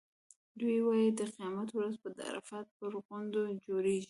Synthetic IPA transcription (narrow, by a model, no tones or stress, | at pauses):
d̪ujwɑjid̪əqijɑmat̪wɾazpəd̪a̰ɾa̰fat̪̚pəɾɣʊnd̪od͡ʒoɾeʒi